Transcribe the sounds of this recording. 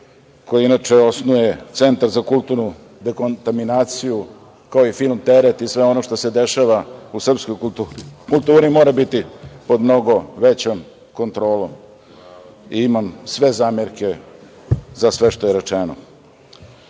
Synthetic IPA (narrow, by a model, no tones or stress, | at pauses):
ko̞jiinat͡ʂeo̞snuje̞t̪se̞nt̪aɾzakulˠt̪uɾnu | d̪ekont̪aminaːt̪siju | kaoifilˠmt̪eɾet̪isʋe̞o̞no̞ʃt̪ose̞d̪e̞ʃaʋausr̩pskojkukulˠt̪uːɾimo̞ːɾabit̪ipo̞d̪mno̞ɡo̞ʋet͡ɕom | ko̞nt̪ɾo̞ːlom | iimamsʋe̞zaːmeɾke̞ | zasʋeʃt̪o̞jeɾet͡ʂeno̰